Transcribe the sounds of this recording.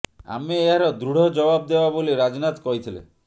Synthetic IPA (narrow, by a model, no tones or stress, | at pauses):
a̰meːɦaɾɔd̪ɾuɽ̤ɔd͡ʒɔbabd̪ebaboliɾad͡ʒnat̪kɔɦit̪ʰilḛ